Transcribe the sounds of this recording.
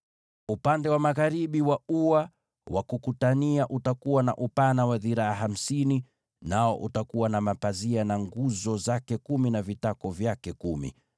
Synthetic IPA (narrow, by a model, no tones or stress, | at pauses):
upandɛwamaɣaɾiɓiwauwa | wakukutaniaʔutakuwana̰ʔupanawaðiɾaaɦam̩sini | naɔʔutakuwanamapazianaŋɡuzɔzakɛkuminavitakɔvjakɛkumḭ